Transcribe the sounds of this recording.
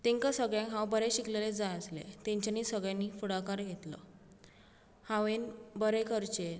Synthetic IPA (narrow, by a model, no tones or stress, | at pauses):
t̪eŋkasəɡɭjãŋkɦãwbəɾeɕikleled͡zajəslḛt̪ẽɲt͡ɕaniːsəɡɭjanːiːfuɽakaɾɡʱet̪lə̰ | hãʋenbəɾekəɾt͡ɕe